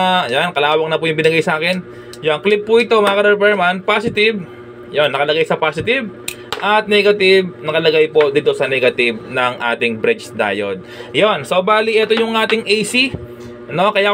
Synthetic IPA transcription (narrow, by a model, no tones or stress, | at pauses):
jankɐlaːwɐŋnɐpʊjʊŋbɪnɐɡajsɐaːkɛn | jɐnklɪpːʊɪt̪o̞mɐakɐɾɛpɛɹmanpaːsɪt̪ɪb | jo̞nːɐkɐlɐɡajsɐpaːsɪt̪ɪb | ʔɐt̪̚nɛɡɐt̪ɪbnɐkɐlɐɡajpo̞d̪iːt̪o̞sɐnɛɡɐt̪ɪb̚nɐŋʔa̰ːt̪ɪŋbɾɪt͡ʃd̪a̰ːjo̰d̪̚jo̞nsobaːliʔɛt̪o̞jʊŋʔaːt̪ɪŋʔɛjsi | no̞kɐjaː